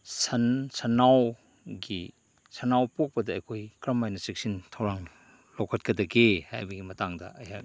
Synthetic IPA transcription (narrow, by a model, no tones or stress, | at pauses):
sɐnsʰɐnaw | ɡi | sɐnawpok̚pɐdɐɐ̰jkʰojkɾɐmajnɐsik̚sintʰɐwɾaŋ | lokʰɐt̚kɐdɐɡeha̰jbɐɡimɐtaŋdɐ̰ɐjha